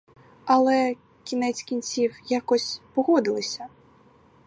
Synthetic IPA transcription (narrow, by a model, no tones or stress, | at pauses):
ɐlˠɛ | kʲinɛt͡sʲkʲinʲt͡sʲiwjakɔsʲpɔɦɔd̪ɪlˠɪsʲɐ